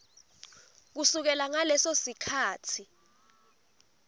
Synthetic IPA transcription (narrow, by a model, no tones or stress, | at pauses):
k̬usuk̬ɛlaŋalɛsosikʰaːtʰi